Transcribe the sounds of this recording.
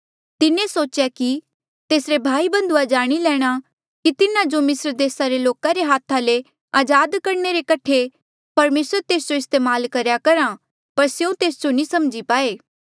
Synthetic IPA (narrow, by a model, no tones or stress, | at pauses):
t̪ɪnẽsoːt͡ʃjaki | t̪eːsɾebʱaːibɐ̃nd̪ʊad͡ʒaːɽ̃ilɛːɽ̃a | kit̪ɪnãd͡ʒomɪsɾd̪eːsaɾeloːkaɾeɦaːt̪ʰale | aːd͡ʒaːd̪kɐɾɳeɾekɐʈʰe | pɐɾmeːsəɾt̪eːs̬d͡ʒoɪst̪eːmaːlkɐɾjakɐɾa | pɐɾsjeũt̪eːsd͡ʒonĩsɐmd͡ʒipaːeː